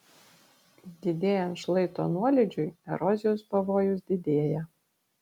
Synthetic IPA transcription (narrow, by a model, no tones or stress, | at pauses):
d̪ʲɪd̪ʲeːjɛnt̪ʃlˠɐɪt̪o̰ːnuɔlʲɪd͡ʒʲʊɪɛ̰ɾɔzʲɪjoːspɐʋoːjʊsd̪ʲɪd̪ʲeːjɛ